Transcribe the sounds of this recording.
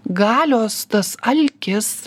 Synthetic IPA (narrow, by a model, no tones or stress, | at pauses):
ɡɑːlʲoːst̪ɐsɐlʲkʲɪs